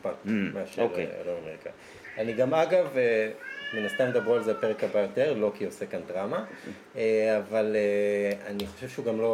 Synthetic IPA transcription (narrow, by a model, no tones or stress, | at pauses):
patmeaʃolea̰lomameʁikʰa̰i | aniɡamaɡaveminast̪amed̪abʁualzeapeʁekabajo̞t̪e̞ʁlo̞kio̞se̞kandʁama | eavaleaniχoʃevʃeuɡamlo̞